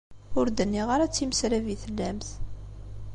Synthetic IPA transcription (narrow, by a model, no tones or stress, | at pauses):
ʊɾd̪ənːiʁaɾæt͡sːiməsɾæviθəlːæmθ